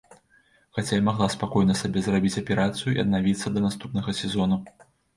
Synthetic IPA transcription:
xat͡sʲajamaɣlˠaspakɔjnɐsabʲɛzrabʲit͡sʲɐpʲɛɾat̪sɨjuḭɐ̰d̪̚navʲit̪sːɐd̪ɐnast̪upnɐɣɐsʲɛzɔnu

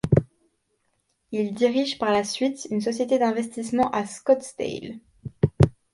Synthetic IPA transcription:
ild̪iʁiʒpaʁlasɥit̪ynsɔsjet̪ed̪ɛ̃vɛst̪ismɑ̃ʔaskɔt̪st̪ḛl

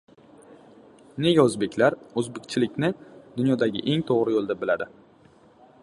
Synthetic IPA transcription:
ne̞ɡʲaɵzbe̞kʲlaɾɵzbekʲt͡ʃʰɪlɪkʲnɪd̪ʊnjɒd̪aɡʲɪ̰ʔe̞ŋt̪ʰoʁɾɪjolˠd̪abɪlad̪ɪ

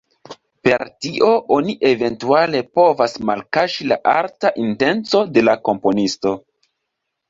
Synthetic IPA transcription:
pe̞ɾtiʔo̞ʔo̞niʔe̞ve̞ntuale̞po̞vasmalkaʃila̰ʔaltaʔinte̞nt͡so̞de̞lako̞mpo̞nisto̞

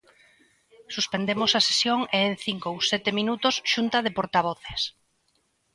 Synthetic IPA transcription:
suspend̪emosase̥sjoŋeːn̟θiŋkowsɛt̪emĩnut̪osʃunt̪aðepoɾt̪aβ̞oθes

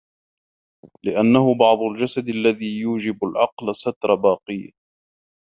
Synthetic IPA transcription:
lɪʔanːahʊbɑʕd̪ˤʊld͡ʒasad̪alːaðiːjuːd͡ʒɪbalʕɑqlsat̪ɾˤɑbɑːqɨjːa

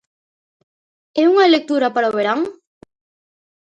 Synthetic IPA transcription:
euŋaelek̚t̪uɾapaɾaoβeɾaŋ

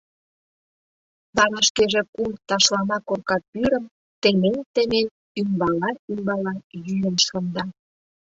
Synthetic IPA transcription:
t̪ɑɾɑʃkeʒĕkumt̪ɑʃlɑmɑkorkɑt̪̚pyɾə̆m | t̪ement̪emen | ymbɑlɑymbɑlɑjyjənʃŏnd̪ɑ

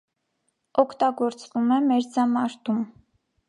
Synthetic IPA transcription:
ɔkʰt̪ɑɡɔɾt͡svumɛmɛɾd͡zɑmɑɾt̪um

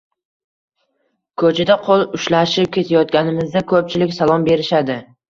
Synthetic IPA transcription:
kʰɵt͡ʃʰad̪aqʰolˠʊʃlaʃɪp̚kʲe̞t̪ʰajɒt̪̚kʲanɪmɪzd̪akʰɵp̚t͡ʃʰɪlɪkʲsalˠɒmbe̞ɾɪʃad̪ɪ

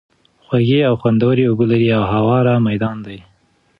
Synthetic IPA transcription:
xwaɡeawxwand̪awəɾeʊbolaɾiawɦawɑɾamajd̪ɑnd̪aj

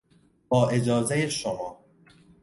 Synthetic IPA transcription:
bɒːʔe̞d͡ʒɒːzejeʃomɒː

